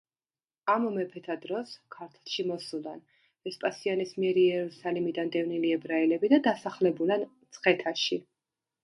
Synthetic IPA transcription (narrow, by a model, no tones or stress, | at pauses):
amɔmɛpʰɛt̪ʰad̪ɾɔskʰaɾt̪ʰlˠʃimɔsulˠan | ɛspʼasianismiɛɾiɛɾusalimid̪and̪ɛvniliɛbɾailɛbid̪ad̪asaχlɛbulant̪sʰχɛt̪ʰaʃi